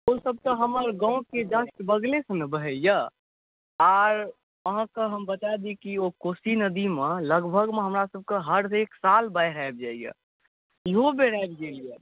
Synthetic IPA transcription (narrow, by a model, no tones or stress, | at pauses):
osəb̚t̪əɦəməɾɡãũked̪əsʈbəɡlesənəbəɦəijə | aɾ | əɦãkəɦəmbətad̪ikiokosinəd̪imeləɡbʱəɡmeɦəmɾasəb̚kəɦəɾeksalbajɾaeb̚d͡ʒaijə̰ | iɦobeɽabɡelijə